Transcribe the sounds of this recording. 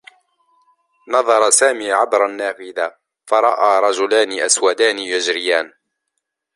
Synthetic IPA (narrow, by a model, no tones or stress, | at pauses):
nɑðˤɑɾˤɑsaːmiːʕabɾˤanːaːfɪðaː | fɑɾˤɑʔaːɾˤɑd͡ʒʊlaːnɪʔaswad̪aːnɪjad͡ʒɾɪjaːn